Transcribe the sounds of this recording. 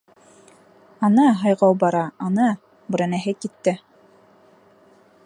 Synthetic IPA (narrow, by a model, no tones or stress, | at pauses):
ɑnɑɦɑjʁɑwbɑɾɑɑnɑ | bɘ̆ɾænæɦɘkit̪ːɘ